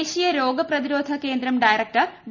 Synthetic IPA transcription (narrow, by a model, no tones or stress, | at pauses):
ɕijɐɾoːɡɐprɐðiɾoːd̪ʱɐke̞ːnd̪ɾɐmɖɐjɾɐk̚ʈɐrɖ